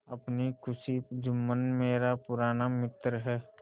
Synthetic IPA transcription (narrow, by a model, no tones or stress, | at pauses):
ɐpnikʰʊsid͡ʒʊmːənmeːɾapʊɾaːnamɪt̪ɾəɦɛː